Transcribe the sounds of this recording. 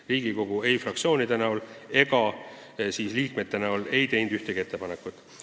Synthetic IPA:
riːɡ̥iko̞ɡ̥ue̞jfrɑk̚t̪sʲio̞ːnid̪̥e̞næule̞ɡ̥ɑ | siːsliːkme̞t̪ːe̞næule̞jt̪e̞jnd̪yht̪eɡ̥iet̪ːe̞pɑne̞kːˑut̪ːˑ

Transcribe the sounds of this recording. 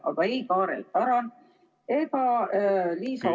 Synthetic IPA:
ʔɑ̰ɡ̥ɑejkɑːɾḛl̚pæɾɑn | eɡ̥ɑ | liːsɑ

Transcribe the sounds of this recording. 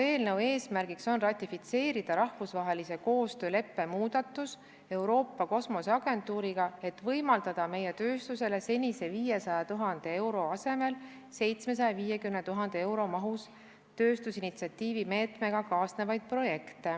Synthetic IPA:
e̞ːlne̞we̞ːsmærɡ̥ikso̞nrɑt̪ʲːˑifit̪se̞ːɾid̪̥ɑɾɑhvusvɑɦe̞lise̞ko̞ːst̪ø̞ːle̞pːe̞muːd̪̥ɑt̪ːˑus | e̞wɾo̞ːpːɑko̞smo̞sɑɡ̥e̞nt̪uːɾiɡ̥ɑe̞t̪ːˑvɤjmɑld̪ɑd̪̥ɑme̞je̞t̪ø̞ːst̪use̞le̞se̞nʲise̞viːje̞sɑjɑt̪uɦɑnd̪̥e̞e̞wɾo̞ɑse̞me̞l | se̞jt̪sme̞s̬ɑjɑviːje̞kymnet̪uɦɑnd̪̥ee̞wɾo̞mɑɦus | t̪øːst̪usinit̪siɑt̪ʲːiːvime̞ːt̪me̞ɡ̥ɑkɑːsne̞vɑjd̪̥̚pro̞je̞kt̪e̞

